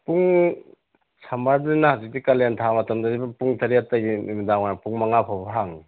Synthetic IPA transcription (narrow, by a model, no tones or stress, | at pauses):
puŋ | sʰambaɾdnahazik̚dikalentʰamɐtɐmdadibapuŋtʰaɾijatːaɡiimidaŋanapuŋmaŋapʰawbaɦaŋ